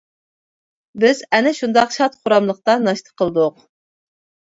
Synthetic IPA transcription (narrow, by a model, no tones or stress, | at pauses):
bɪzɛnɪʃund̪ɑqʃɑt̪χʊɾɑmlˠəq̚t̪ɑnɑʃt̪ʰə̥qʰəlˠd̪ʊq